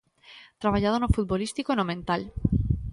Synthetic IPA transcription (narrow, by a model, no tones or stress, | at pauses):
t̪ɾaβ̞aʎað̞onofut̪̚bolist̪ikoenomẽnt̪al